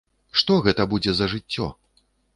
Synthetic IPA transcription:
ʂt̪ɔɣɛt̪ɐbud͡zʲɛzɐʐɨt͡sʲːɔ̰

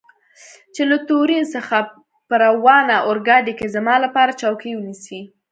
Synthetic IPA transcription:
t͡ʃelat̪oɾinsəxa | pəɾawɑnaʔoɾɡɑd̪ekezamɑlapɑɾat͡ʃawkijwənisi

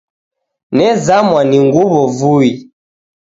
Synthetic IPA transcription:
nɛzamwaniŋɡuβɔvui

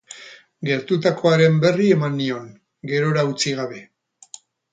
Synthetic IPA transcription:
ɡeɾt̪ut̪ako̞aɾe̞mbe̞rie̞manːio̞ŋ | ɡe̞ɾo̞ɾaut͡siɣ̞aβ̞e̞

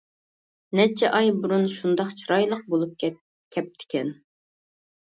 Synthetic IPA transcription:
nɛt͡ʃʰɛʔɑjbuɾunʃund̪ɑqt͡ʃʰiɾɑjlˠəq̚bolˠup̚ʲ | kʲʰɛp̚t̪ʰɪ̥kʲʰɛn

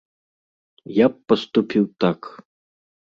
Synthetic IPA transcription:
japːɐst̪upʲiwt̪ak

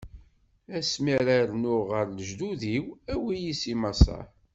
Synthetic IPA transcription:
æsmiɾaɾnʊʁəɾləʒd̪uðiwæwijisimɑsˤɑ̰

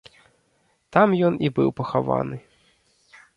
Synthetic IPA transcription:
t̪amjɔnibɨ̰wpɐxava̰nɨ

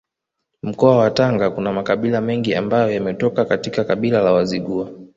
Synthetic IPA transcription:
m̩kɔawataŋɡakunamakaɓilamɛŋɡia̰mbajɔjamɛtɔkakatikakaɓilalawaziɠua

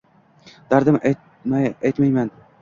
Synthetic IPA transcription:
d̪̥aɾd̪amʔa | maajt̪majman

